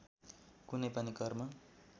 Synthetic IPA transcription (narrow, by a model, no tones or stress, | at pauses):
kunʌjpʌnikʌrmʌ